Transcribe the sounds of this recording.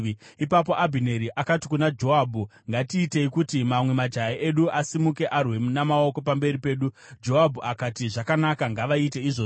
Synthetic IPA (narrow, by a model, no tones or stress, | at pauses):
ipap̬o̞ʔabʱine̞ɾiʔakati̥kunad͡ʒo̞abʱuŋɡatiːte̞ikutimamwe̞mad͡ʒajaʔeɗuʔasimuke̞ʔarwe̞namao̞ko̞pambe̞ɾipe̞ːɗu | d͡ʒo̞abʱuakatiʐakanakaŋɡaʋait̬e̞iʐo